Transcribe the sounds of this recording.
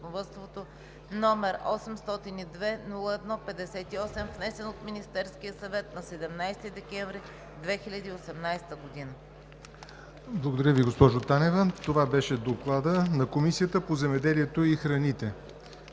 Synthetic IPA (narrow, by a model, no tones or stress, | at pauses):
novɔt̪st̪vot̪o | nɔmɛɾɔ̰sɛmst̪ɔt̪inid̪vɛnulˠəɛd̪nɔpɛd̪ɛsɛt̪iɔsɛmvnɛsɛnot̪minist̪ɛɾskijəsɐvɛt̪nɐsɛd̪ɛmnajst̪id̪ɛkɛɱvɾi | d̪vɛxilʲɐd̪iːosɛmnajst̪əɡod̪inə | blˠəɡod̪ɐɾʲjəviɡospɔʒot̪anɛvɛt̪ovabɛʃɛd̪oklˠad̪ənɐkomisijət̪əpozɛmɛd̪ɛliɛt̪oixɾɐnit̪ɛ